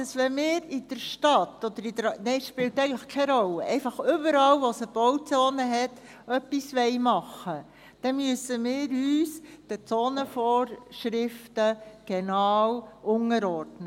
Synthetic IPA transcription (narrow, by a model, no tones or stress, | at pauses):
d̥ɑsʋɛnmɪːɾid̥əɾʃtɑt̪ːɔd̪əɾidəɾnɛɪʃpɪltɛɪɡəŋ̩tləχkʰɛɾɔlːəʔɛɪfɑχʏbəɾɑlʋosəb̥ɔwt͡soːnəɦɛt | œpːisʋɛɪmɑχːə | d̥ɛmyəsːəmɪːɾyːsd̥ət͡soːnəfɔːɾʃɾɪftəɡ̥ɛnɑːwʔʊŋəɾɔɾdnə